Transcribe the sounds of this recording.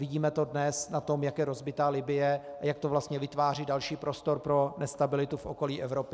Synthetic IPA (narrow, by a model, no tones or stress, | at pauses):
vɪɟiːmɛt̪o̞dnɛsnat̪o̞mjakjɛɾozbɪt̪aːlɪbɪjɛajak̚t̪ovlast̪ɲɛvɪt̪vaːriːdalʃiːpɾo̞st̪o̞ɾpɾo̞nɛst̪abɪlɪt̪ufʔoko̞liːʔɛvɾo̞pɪ